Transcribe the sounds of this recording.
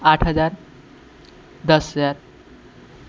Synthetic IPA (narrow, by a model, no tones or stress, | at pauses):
aʈʰɦəd͡zaɾ | d̪əsd͡zaɾ